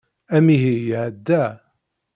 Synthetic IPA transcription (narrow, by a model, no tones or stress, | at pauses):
æmiɦijʕd̪ːæ